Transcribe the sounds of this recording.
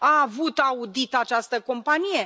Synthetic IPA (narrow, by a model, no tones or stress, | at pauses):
aːvut̪aud̪it̪at͡ʃast̪əko̞mpanije̞